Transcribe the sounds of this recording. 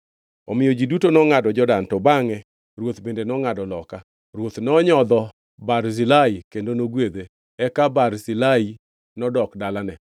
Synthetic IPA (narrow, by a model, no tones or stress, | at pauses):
ɔmɪjɔd͡ʒidutonɔŋadɔd͡ʒɔdantɔbaŋɛ | ɾwot̪bendenɔŋadɔlɔka | ɾwot̪nɔɲɔd̪ɔ | baɾzilaikendonoɡwed̪e | ɛkabarsilai | nɔdɔkdalanɛ